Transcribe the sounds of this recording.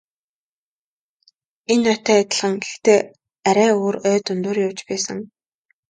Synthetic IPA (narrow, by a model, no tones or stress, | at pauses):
enːœt̪æːat̪ə̆ɮʁə̆ŋɡext̪eː | æɾʲæːoːɾœːt̪ɵnt̪uːrjʊwt͡ɕpæːsə̆ŋ